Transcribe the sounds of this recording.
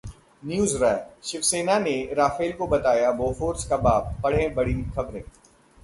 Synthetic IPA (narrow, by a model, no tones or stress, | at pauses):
njuːzɾɛːʃɪfseːnaneɾaːfeːlkobɐt̪aːjaboːfoːɾskabaːbːɐɽ̤ẽbɐɽixɐbɾẽː